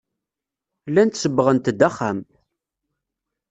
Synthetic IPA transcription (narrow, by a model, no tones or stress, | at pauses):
lːænt̪səbːəʁənt̪d̪æχːæm